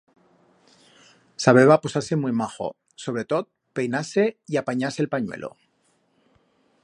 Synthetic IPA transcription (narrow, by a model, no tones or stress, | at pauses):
saβeβaposase̞mwijmaxo̞̰ | so̞β̞ɾe̞t̪ot̪̚ | pe̞jnase̞iapaɲaselpaɲwḛlʔo̰